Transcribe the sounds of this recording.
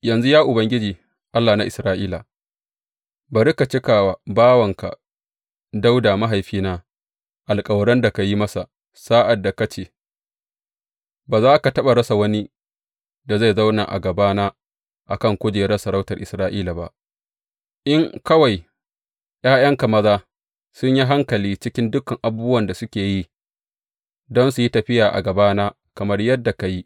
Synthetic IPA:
jɐ˨nzu˦jaː˦ʔʊ˨bɐ˦ŋɡʲɪ˦d͡ʒiː˨ | ʔa˦lːaː˨na˦ʔɪ˨sɾaː˦ʔiː˦la˨ | ba˨ɾɪ˦ka˨t͡ʃɪ˦kaː˨wa˨baː˦wɐ˨ŋka̰˨ | da˦wdaː˨ma˦ɦa˨jɸiː˦naː˦ | ʔa˨lkʼɐ˨wɽɐ˦nda˨ka˨ji˦mɐ˦sa˨ | saː˦ʔa˨dːa˨ka˦t͡ʃeː˨ | baː˨zaː˦ka˨tɐ˦ɓa˨ɾɐ˦sa˨wɐ˦ni˦ | da˨za˦˨jza˦wna̰˨ʔa̰˨ɡɐ˨baː˦naː˦ | ʔa̰˨kɐ˦˨ŋkʷʊ˦d͡ʒeː˨jɽɐ˦sɐ˨ɾa˦wtɐ˨rʔɪ˨sɾaː˦ʔiː˦la˨ba̰˦ʔ | ʔɪ˦ŋkɐ˦wa˨j | j̰aː˦jɐ˦ŋka˨mɐ˦zaː˦ | sʊ˦ɲji˦ɦa˦ŋkɐ˨liː˦t͡ʃɪ˦kʲɪ˦ndʊ˦kɐ˨ŋʔa˨buː˦bwɐ˨nda˨sʊ˦kʲeː˨ji˦ | dɔ˦nsu˨ji˦tɐ˨ɸɪ˦jaː˨ʔa̰˨ɡɐ˨baː˦naː˦ | kɐ˨mɐ˦rjɐ˦dːa˨ka˨ji˦

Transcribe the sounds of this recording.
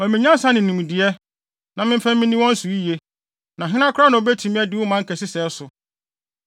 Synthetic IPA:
ɔ̃˨mɪ̃˨ɲ˦ã˦sa˦nɪ̃˨nũ˨m˨dɪ˨ɛ˦ | nã˨mɪ̃˦m̩˦fã˦mmɪ̃˦nĩ˦wɔ̃˦n̩˦su˨i˦je˦ | nã˨ɦɪ̃˦ã˦kʰʊ˦ɾa˦nã˨o˨be˦tʰĩ˨mĩ˦ɛ˦dɪ˦wʊ˦mã˨˦ŋ̩˦kʰɛ˨sɪ˦sɛ˨˦sʊ˨

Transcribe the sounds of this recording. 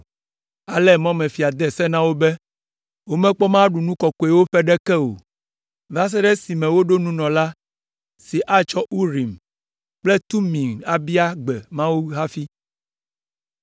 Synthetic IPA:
a˨lɛ˦mɔ̃˦mɛ̃˨fi˨a˨d̪ɛ˦˨sɛ˦nã˦wo˦bɛ˦ | wo˦mɛ̃˦k͡pɔ˦mã˦ɖu˨nũ˦kɔ˨kɔ˨ɛ˨wo˦ɸɛ˦ɖɛ˦kɛ˦o̰˨ | va˦s̬ɛ˦ɖɛ˦si˨mɛ̃˨wo˦ɖo˦nũ˦nɔ̃˨la˦ | si˨ʔa˦t͡ʃɔ˦ʔu˦ɾi˨m | k͡plɛ˦t̪u˦mĩ˨ŋa˨bi˦a˦ɡ͡bɛ˨mã˦wu˦ɦa˦fi˦

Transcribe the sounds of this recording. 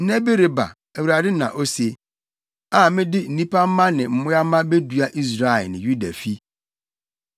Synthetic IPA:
nɛ˦be˦ɾɪ˨ba̰˨ | æ˨wu˨ɾa˨dɪ˦nã̰˨ʔo˦se˨ | a˨mɪ̃˦dɪ˦n̩˨nĩ˦pa˦m̩˦mã˦nɪ̃˨m̩˨mʊ̃˦ja˦mã˦be˦du˨a˦ʔi˦s̬ɾa˨ɛ˨nɪ̃˨ju˦da˨fi˦

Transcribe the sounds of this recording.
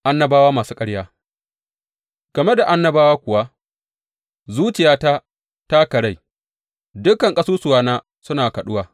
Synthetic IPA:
ʔa˦nːɐ˦baː˦waː˦maː˨suː˦kʼɐ˦ɽjaː˦ | ɡ̥ɐ˨me˦da˨ʔa˦nːɐ˦baː˦waː˦kʷʊ˨wa˦ | zuː˦t͡ʃɪ˨jaː˦ta˦ | ta˦kɐ˨ɽa˦j | dʊ˦kɐ˨ŋkʼɐ˦suː˦sʊ˨waː˦naː˦ | sʊ˦naː˨kɐ˨ɗʊ˦waː˨

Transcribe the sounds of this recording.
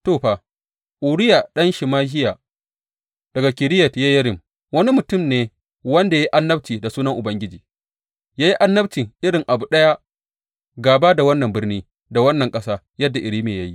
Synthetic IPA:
toː˦˨ɸaː˨ | ʔu˨ɽɪ˦ja˨ɗɐ˦nʃɪ˨maː˦ɦɪ˦ja˨ | d̥ɐ˨ɡa˨kʲɪ˨ɾɪ˦jɐ˨tjaː˦jɐ˦ɾɪ˨m | wɐ˦ni˦mʊ˨tʊ˦˨mneː˨ | wɐ˦nda˨ja˦i˦ʔa˦nːɐ˦b̚tiː˨da˨suː˦nɐ˦ŋʔʊ˨bɐ˦ŋɡʲɪ˦d͡ʒiː˨ | jaː˦ji˦ʔa˦nːɐ˦btɪ˨ŋʔɪ˦ɽɪ˨ŋʔa˨bu˨ɗɐ˦ja˦ | ɡaː˨baː˦da˨wɐ˦nːɐ˨mbɪ˦rniː˦ | da˨wɐ˦nːɐ˨ŋkʼɐ˦saː˦ | jɐ˦dːa˨ʔɪ˨ɾiː˦meː˨ja˦ji˦

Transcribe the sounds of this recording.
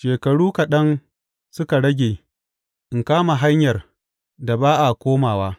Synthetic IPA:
ʃeː˨kɐ˨ɽuː˦ka˨ɗɐ˦n | sʊ˦ka˨ɽɐ˦ɡʲeː˨ | ʔɪ˨ŋkaː˦ma˨ɦa˦ɲjɐ˨r | da˨baː˦ʔa˨kʷoː˦maː˨waː˦

